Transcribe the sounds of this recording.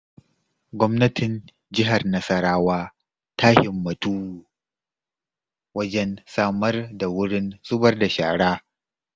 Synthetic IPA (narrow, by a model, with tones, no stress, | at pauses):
ɡʷɔ˦mnɐ˦tɪ˨n | d͡ʒɪ˦ɦa˨rnɐ˦sɐ˦ɾaː˦waː˦ | taː˦hɪ˨mːɐ˨tuː˦ | wɐ˦d͡ʒɛ˦nsaː˦mɐ˦rda˨wʊ˦ɽɪ˦nsʼʊ˦bɐ˦rda˨ʃa̰ː˨ɽaː˦